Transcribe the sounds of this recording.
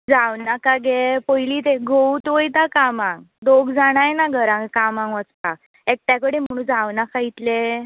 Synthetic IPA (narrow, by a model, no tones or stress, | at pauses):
d͡zawnakaɡepɔjlit̪eɡʱout̪ʋəjt̪akamãŋɡ | d̪oɡd͡zaɽ̃ajnaɡʱəɾãŋkamãŋkʋət͡spa̰k | ek̚t̪jakəɽem̤əɽ̃ũd͡zawnakʰait̪le